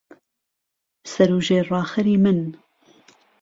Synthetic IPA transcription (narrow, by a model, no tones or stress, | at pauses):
sɐɾuːʒeːrɑːxɐɾiːmɨn